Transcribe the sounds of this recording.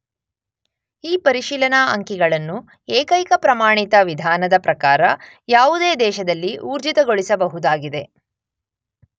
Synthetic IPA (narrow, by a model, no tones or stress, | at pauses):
iːpɐɾiʃiːlɐnaɐŋkiɡɐɭɐnːu | eːkɐjkɐpɾɐmaːɳit̪ɐʋid̪ʱaːnɐd̪ɐpɾɐkaːɾɐ | jaːʋud̪e̞ːd̪ɛːʃɐd̪ɐlːiʔuːɾd͡ʒit̪ɐɡo̞ɭisɐbɐɦud̪aːɡid̪e̞